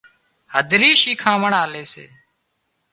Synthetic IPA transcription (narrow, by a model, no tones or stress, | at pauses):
həd̪ʱɾiːʃiːkʰãːməɳaːleːsḛː